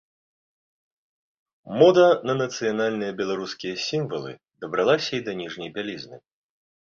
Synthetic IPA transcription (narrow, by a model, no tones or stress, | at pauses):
mɔd̪ɐnɐnɐt̪sɨjanalʲnɨjɐbʲɛlˠaɾuskʲijɐsʲimvɐlˠɨ̰ | d̪ɐbɾalˠasʲɐid̪ɐnʲiʐnʲɐjbʲalʲiznɨ